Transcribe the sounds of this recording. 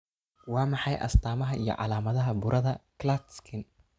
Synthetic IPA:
wɑːmɑħɑjʔɐ̰st̪ʰaːmɐɦɐʔijɞ̰ʕɑ̰laːmɐðɐɦɐbʊɾʔɐðɐklat̪skʰɪn

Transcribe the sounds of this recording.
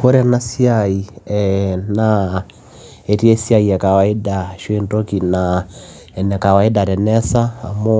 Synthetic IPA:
koɾɛnasiaiɛna | etiesiaiɛkawaidaʃwendokina | ɛnɛkawaidaɾɛnɛsaːmo

